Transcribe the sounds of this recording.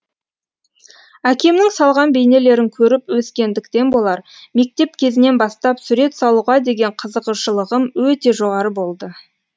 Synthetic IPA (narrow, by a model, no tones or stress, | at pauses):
ækʲe̞mnɪŋsɑlˠʁɑnbe̞jne̞le̞ɾɪŋkʲʰɵɾɪpwɵskʲe̞nd̪ɪkt̪e̞nbo̞lˠɑɾme̞k̚t̪e̞p̚kʲʰe̞zɪne̞nbɑst̪ɑpsʉɾe̞t̪sɑlˠuʁɑd̪e̞ɡʲe̞ɴqʰəzəʁəʃəlˠəʁəmwɵt̪e̞ʒo̞ʁɑɾəbo̞lˠd̪ə